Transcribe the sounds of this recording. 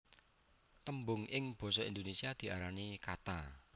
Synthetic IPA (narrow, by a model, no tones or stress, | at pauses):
t̪əmbʊŋʔɪŋb̥ɔ̤sɔind̪onesiad̪̥i̤ʔaɾanikat̪a